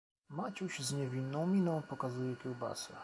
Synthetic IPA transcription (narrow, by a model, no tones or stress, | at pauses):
mat͡ɕuɕzɲɛvʲinːɔ̃w̃mʲinɔ̃w̃pɔkazujɛkʲuwba̰sɛ